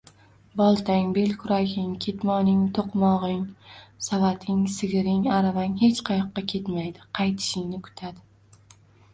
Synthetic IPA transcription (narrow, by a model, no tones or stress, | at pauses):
bɒlˠt̪ʰaŋbe̞lkʰʊɾaɡʲɪŋkʲʰe̞t̪mɒnɪŋt̪ʰoqmɒʁɪŋsavat̪ʰɪŋsɪɡʲɪɾɪŋaɾavaŋhe̞t͡ʃqʰɑjɒqːɑkʲʰe̞t̪majd̪ɪqʰɑjt̪ʰɪ̥ʃɪŋnɪkʰʊ̥t̪ʰad̪ɪ